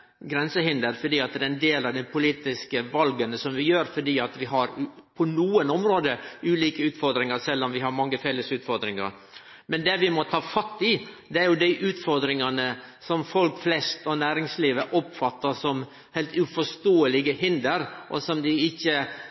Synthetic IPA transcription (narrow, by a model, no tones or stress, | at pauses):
ɡɾɛnsəhɪnd̪əɾfɔɖiːɑt̪̚d̪ɛɾɛnd̪eːlɑʋd̪ɛɪpʰʊliːt̪ɪskəʋɑlɡənəsɔmʋɪjøːɾfɔɖiːɑt̪ʋɪɦɑɾpʰɔnuːənɔmɾoːd̪əʉːliːkəʉːt̪fɔɾd̪ɾɪŋɑɾsɛlːɔmʋɪɦɑɾmɑŋːəfɛləsʉːt̪fɔɾd̪ɾɪŋɑ̰ɾ | mɛnd̪ɛʋɪmɔt̪ʰɑːfɑt̪ːɪd̪ɛæɾjʊd̪æɪʔʉːt̪fɔɾd̪ɾɪŋɑnə | sɔmfɔlkflɛst̪ɔnæːɾɪŋsliːʋəʔɔpfɑt̪ːəsɔm | hɛɪlt̪ʉfɔʂt̪oːəlɪɡəhɪnd̪əɾʔɔ̰sɔmd̪ɪɪçːə